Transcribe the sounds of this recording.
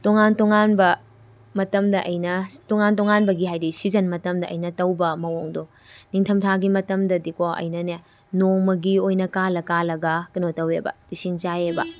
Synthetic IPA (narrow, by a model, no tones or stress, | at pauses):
toŋantoŋanbɐ | mɐtɐmdɐʔɐjnɐtoŋantoŋanbɐɡiɦajdisizɐnmɐtɐmdɐʔɐjnɐtɐwbɐmɐwoŋdo | niŋtʰɐmtʰaɡimɐtɐmdɐdikoʔɐ̰jnɐne | noŋmɐɡiojnɐkalɐkalɐɡɐkinotɐwebɐ̰pisint͡ʃajebɐ